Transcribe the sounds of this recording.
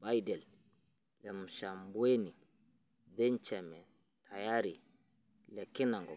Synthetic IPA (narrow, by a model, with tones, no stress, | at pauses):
ba˦jdɛ˨l | lɛ˨m̩˨ʃa˨mbwe˦ni˨ | dɛ˦nt͡ʃɛ˨mɛ˨ | tʰa˨ja˦ɾi˨ | lɛ˨ki˦na˨ŋɡɔ˨